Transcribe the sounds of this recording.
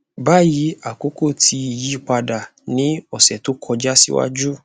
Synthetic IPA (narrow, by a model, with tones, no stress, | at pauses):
ba˦˨ji˨˦a˨ko˨˦ko˦˨tʰi˧i˨ji˦i˦˨k͡pa˧da˨nĩ˨˦ɔ˦˨sɛ˨to˨˦kʰɔ˧d͡ʒa˦sḭ˦wa̰˦d͡ʒu˦